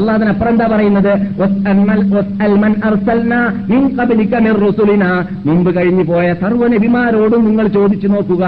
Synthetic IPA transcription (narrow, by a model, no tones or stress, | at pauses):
ɐlːaːɐðinɐpːrɐend̪aːpɐrɐjunːɐðɨwɐsɐmɐlwɐsɐlmɐnɐrsɐlnaːminqɐblikɐmirrusulinaː | mumbɨkɐɻiɲːupo̞ːjɐsɐrʋɐnebimaːɾo̞ːɽumniŋːɐɭt͡ɕo̞ːd̪it͡ɕːuno̞ːrkːuɣɐ